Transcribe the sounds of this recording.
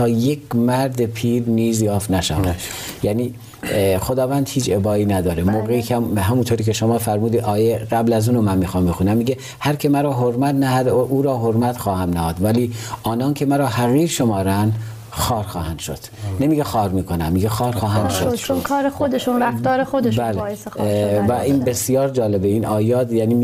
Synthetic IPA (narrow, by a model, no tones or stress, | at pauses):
t̪ʰɒːjekʰmæɾd̪epʰiːɾniːzjɒːfnæʃæ̰njæniː | xod̪ɒːvænd̪hiːt͡ʃʰebɒːiːnæd̪ɒːɾemoːɣeikʰæmɦæmunt̪ʰoːɾiːkʰeʃomɒːfæɾmuːd̪iːd̪ɒːjeɢæblæzuːnomænmiːxɑːmbexunæmːiːɡe | hæɾkʰe̞mæɾɒːɦoɾmæt̪næhæd̪ʔuːɾɒːɦoɾmæt̪xɒːhæmnæhɒːd̪væliːʔɒːnɒːncʰe̞mæɾɒːhæɣiːɾʃo̞mɒːɾænd̪ | xɒːɾxɒːhænd̪̥ʃo̰d̪̥nemiːɟexɒːɾmiːkʰonæmːiːɡexɒːɾxɒːɦænd̪ʃod̪t͡ʃonkʰɒːɾexod̪eʃunɾæft̪ɒːɾexod̪eʃbælej | væʔiːnbe̞sijɒːɾd͡ʒɒːle̞beiːnʔɒːjɒːt̪jæːniː